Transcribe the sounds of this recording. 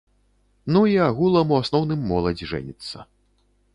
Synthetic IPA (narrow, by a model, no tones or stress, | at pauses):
nuiaɣulˠɐmuasnɔwn̪ɨmːɔlˠɐd͡zʲʐɛ̰nʲit̪sːɐ̰